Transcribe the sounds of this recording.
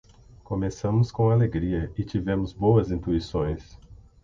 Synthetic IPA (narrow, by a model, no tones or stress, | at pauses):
kõmesɐ̃mʊskõaleɡɾiɐɪt͡ʃivẽmʊzbowɐzĩnt̪uisõj̃s